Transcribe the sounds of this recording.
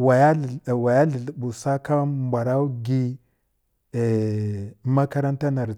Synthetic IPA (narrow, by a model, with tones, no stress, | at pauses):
wa˨ja˦˨wa˨ja˦ɮi˨ɮɓu˨sa˦ka˦mbʷa˨ɾa˦u˦ɡi˦ | e˨ | ma˦ka˦ɾa˦nta˦na˨ɾ